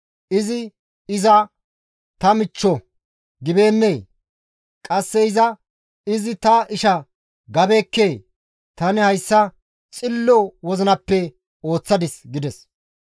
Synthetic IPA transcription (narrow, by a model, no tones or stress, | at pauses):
ʔɪzɪ | ɪzɐ | t̪ɐmɪt͡ʃːɔ | ɡɪbeːnːeː | kʼɐsːɛɪzɐ | ɪzɪt̪ɐʔɪʃɐ | ɡɐbekːeː | t̪ɐnɪhɐjsːɐ | t͡sʼɪlːɔwɔzɪnɐpːɛ | o̞ːt͡sːɐd̪ɪsɡɪd̪ɛs